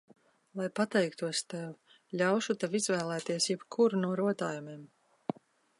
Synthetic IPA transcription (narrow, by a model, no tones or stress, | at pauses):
lˠajpat̪ɛjkt̪uɔst̪ɛw | ʎʲawʃut̪evizvæːlˠæːt̪iɛsjɛbkʰuɾnuɔɾuɔt̪aːjumiɛm